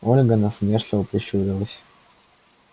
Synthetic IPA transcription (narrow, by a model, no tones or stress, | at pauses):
olʲɡənɐsmʲerlʲɪvəpɾʲɪɕuɾʲɪlˠəsʲ